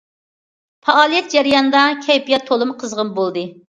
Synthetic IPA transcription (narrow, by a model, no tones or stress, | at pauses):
pʰɑɑːlˠijɛt̪̚d͡ʒæɾijɑnɨd̪ɑkʲʰɛjpijɑt̪ʰːolˠɨmqʰəzʁəmbolˠd̪ɨ